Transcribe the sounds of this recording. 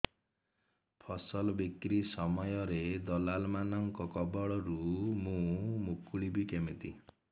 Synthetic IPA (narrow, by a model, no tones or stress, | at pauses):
pʰɔsɔlbikɾisɔmɔjɔɾed̪ɔlalmanɔŋkɔkɔbɔɭɔɾumũmukʰuɭibikemit̪i